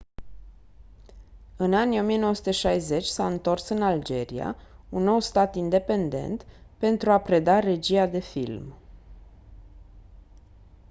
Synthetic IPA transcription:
ɨnanijo̞mijenowəsut̪eʃajze̞t͡ʃʲsaɨnt̪o̞rsɨnald͡ʒe̞ɾḭa̰unːo̞wst̪at̪ind̪e̞pe̞nd̪e̞̰nt̪pe̞nt̪ɾuapɾe̞d̪are̞d͡ʒiad̪e̞fḭlm

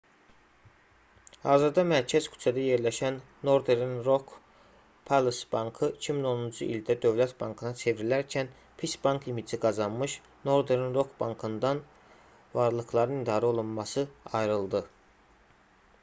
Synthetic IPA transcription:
hɑːzɯɾd̪ɑmæɾcʰæzkʰy̥t͡ʃʰæd̪æje̞ɾlæʃænːo̞ɾd̪eɾinɾo̞kʰ | pʰalˠsbɑŋkʰɯicʰimino̞nund͡ʒuʔild̪æd̪ø̞vlæt̪bɑŋkʰɯnɑt͡ʃʰe̞vɾilæɾcʰæn | pʰisbɑŋkʰimid͡ʒiɡɑzɑnmɯʃ | no̞ɾd̪eɾinɾo̞kʰbɑŋkʰɯnd̪ɑn | vɑɾlˠɯxlˠɑɾɯnid̪ɑːɾæo̞lˠunmɑsɯɑjɾɯlˠd̪ɯ

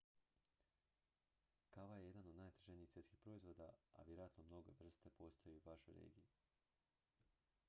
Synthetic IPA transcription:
kaʋajeje̞d̪ano̞d̪naːjt̪e̥ʒeniːxsjeskixpɾo̞izʋo̞ːd̪aa̰ʋjeɾoat̪nomno̞ɡe̞̰ʋr̩st̪e̞po̞st̪ojeuʋaʃo̞̰jɾḛːɡiji

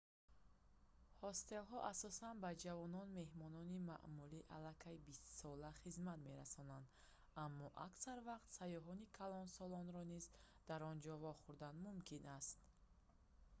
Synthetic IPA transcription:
hɔst̪e̞lɦɔʔasɔsanbad͡ʒavɔnɔnme̞hmɔnɔnima̰ʔmuliʔalakʰajbist̪sɔlaχizmat̪me̞ɾasɔnand̪ | amːɔʔa̰ksaɾvaqt̪sajɔɦɔnikʰalɔnsɔlɔnɾɔnizd̪aɾɔnd͡ʒɔvɔχuɾd̪anmumkʰinast̪̚

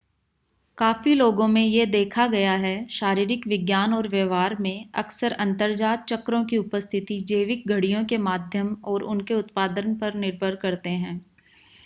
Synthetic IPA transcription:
kaːfiloːɡõmẽjed̪eːkʰaɡɐjaɦɛʃaːɾiːɾɪkʋɪɡjaːnɔːɾʋjeːʋaːɾmẽɐksəɾɐ̃nt̪əɾd͡ʒaːt̪̚t͡ʃɐkɾõkiʊpəst̪ʰɪt̪id͡ʒeːʋɪk̚ɡʱɐɽijõkemaːd̪ʱjəmɔːɾʊnkeʊt̪paːd̪ənpɐɾnɪɾbʱəɾkɐɾt̪eɦɛ̃ː

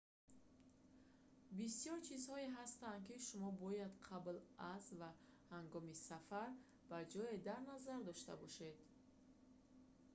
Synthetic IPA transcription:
bisijɔɾt͡ʃʰizhɔeɦast̪and̪̚kiʃumɔbɔjad̪qʰablazva | haŋɡɔmisafaɾ | bad͡ʒɔed̪aɾnazaɾd̪ɔʃt̪a̰bɔʃe̞d̪

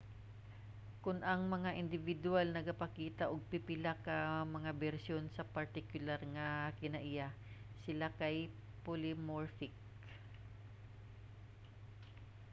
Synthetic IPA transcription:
kʊnʔɐŋmɐŋaʔɪnd̪ɪvɪd̪ʊalnɐɡɐpɐkiːt̪aʔoɡ̚pɪpɪlakɐmɐŋabɛɾsjonsɐpɐɾt̪ɪkjʊlaɾŋɐkɪnɐʔɪjasɪlakaj | polɪmoɹfɪk

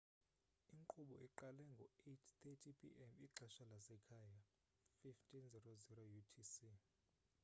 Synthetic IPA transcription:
iŋǃuɓɔʔiǃalɛŋɡʱɔetʰt̪ʰetʰipʰḭʔɛmiǁaʃalasɛkʰaːja | fiftʰʼinzɛrozirojutʰisi

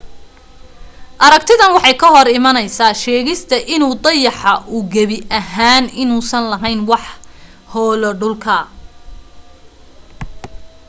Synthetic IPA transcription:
ʔɐɾɐkt̪ʰɪðɐnwɑħɑjkʰɐɦɔɾɪmɐnɛjsaːʃɛːɣɪst̪ʰɐʔɪnuːd̪ɑjɑħɑʔʊɡɐβɪʔɐɦaːnɪnuːsɐnlɐɦɛjnwɑħ | hɔːlɔɖʊlkʰɐ

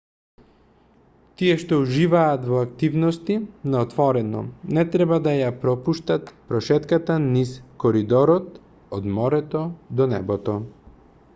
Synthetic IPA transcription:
t̪iɛʃt̪ɔuʒivaːt̪vɔak̚t̪ivnɔst̪inaɔt̪vɔɾɛnɔ̰nɛt̪ɾɛbad̪ajapɾɔpuʃt̪at̪pɾɔʃɛt̪kat̪aniskɔɾid̪ɔɾɔt̪ | ɔd̪mɔɾɛt̪ɔd̪ɔnɛbɔt̪ɔ

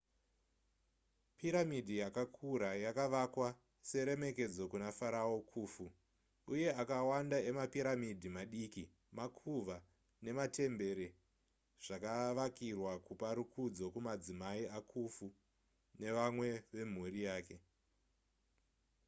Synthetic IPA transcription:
piɾamidʱijakakʰuɾajakaʋakwa | se̞ɾe̞me̞ke̞d͡zo̞kunafaɾaokʰuːfu | uje̞akawandae̞mapiɾamidʱimaɗiki | makʰuʋa | ne̞mate̞mbe̞ɾe | ʐ̥akaʋakirwakupaɾukʰud͡zo̞kumad͡zimaiakʰufu | ne̞ʋamwe̞ʋe̞m̤urijaːke̞

